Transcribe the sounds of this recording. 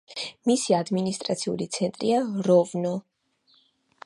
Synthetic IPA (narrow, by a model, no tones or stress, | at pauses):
misiad̪minist̪ʼɾat̪sʰiṵlit̪sʰɛnt̪ʼɾiaɾɔvnɔ